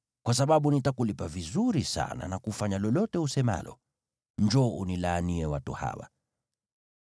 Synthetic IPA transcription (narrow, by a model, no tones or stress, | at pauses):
kwas̬aɓaɓunitakulipavizuɾisa̰na̰nakufaɲalɔlɔtɛusɛma̰lɔ̰ | ɲd͡ʒɔunilaːniɛwatuha̰wa̰